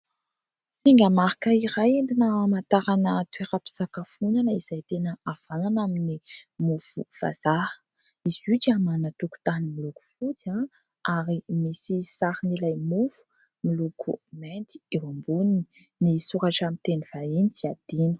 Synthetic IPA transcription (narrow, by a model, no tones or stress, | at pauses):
siŋɡəmaɾikəiɾajend̪inəmant̪aɾanət̪weɾapi̥sakafunanəiz̥ajt̪enəav̥ananaminimuv̥ṵv̥a̰za | izuʈ͡ʂamanat̪uku̥t̪animiluku̥fut͡sa | aɾimisisaɾinilajmuv̥u̥ | milukument̪i̥ewambunini | nisuɾaʈ͡ʂamint̪eniv̥ainit͡siad̪̥inə̥